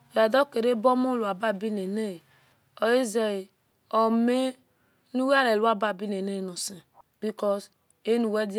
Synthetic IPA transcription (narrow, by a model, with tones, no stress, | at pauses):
ɾa˨dɔ˦ke˨ɾe˦bɔ˦mo˦lu˨a˨ba˦˨bi˦ne˨ne˦˨ | ɔ˨e˦ze˨i˨ | ɔ˨me˦ | nu˦wa˦ɾe˨lu˦a˦ba˦˨bi˦ne˨ne˦˨no˨sẽ˨bi˦kɔ˦s | e˦nu˨wɛ˦di˦